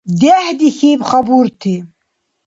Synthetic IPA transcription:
d̪ɛhd̪ixiːbχɐbuːɾt̪ʰi

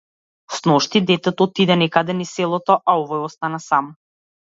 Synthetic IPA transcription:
snɔʃt̪id̪ɛt̪ɛt̪ɔɔt̪id̪ɛnɛkad̪ɛnisɛlˠɔt̪ɔʔaɔvɔjɔst̪anasam

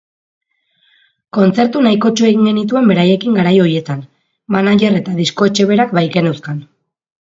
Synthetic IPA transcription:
ko̞nt͡se̞ɾt̪unajko̞t͡ʃue̞ɣiŋɡe̞nit̪̬ue̞mbe̞ɾaje̞kiŋɡaɾajo̞ɾie̞t̪an | manaʎere̞t̪aðisko̞et͡ʃe̞β̞e̞ɾakbajke̞newskan

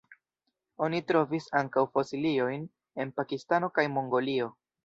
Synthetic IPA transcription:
o̞nitɾo̞visaŋkawfosilio̞jn | e̞npakistano̞kajmo̞ŋɡo̞lio̞

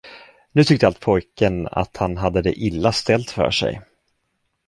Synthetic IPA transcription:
nʉ̟ːt̪ʰʏk̚t̪əalt̪̚pʰɔjkəna̰t̪hanɦad̪ːəd̪ɛʔɪlːast̪ɛlt̪fœ̰ːʂɛ̰j

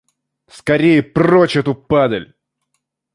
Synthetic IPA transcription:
skɐɾʲejəprot͡ɕɛt̪ʊpad̪əlʲ

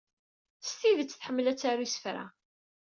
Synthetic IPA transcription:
st̪iðət͡sːθħəmːəlæt͡sːaɾisə̥fɾa̰

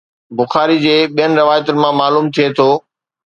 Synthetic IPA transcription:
bʊxaːɾid͡ʑeːɓijənɪ̆ɾɪʋaːjət̪ʊnɪ̆mãmaːluːmt̪ʰiet̪ʰoː

